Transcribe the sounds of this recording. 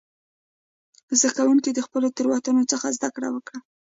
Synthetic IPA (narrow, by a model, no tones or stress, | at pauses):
zd̪akawuŋkid̪əxpəlot̪ʊɾwat̪unot͡səxazd̪akɽa̰wəkɽa